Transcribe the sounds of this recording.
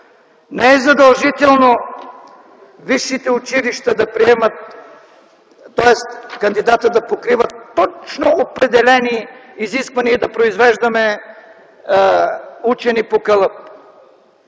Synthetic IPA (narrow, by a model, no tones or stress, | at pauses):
nɛɛzɐd̪ɐlˠʒit̪ɛlˠno | viʃːit̪ɛut͡ʃiliʃt̪ɐd̪ɐpɾiɛmət̪ | ɔɛst̪kɐnd̪id̪at̪əd̪ɐpokɾivət̪ːɔt͡ʃnoopɾɛd̪ɛlɛniːziskvɐniəid̪ɐpɾoizvɛʒd̪ɐmɛ | ut͡ʃɛnipokəlˠəp̚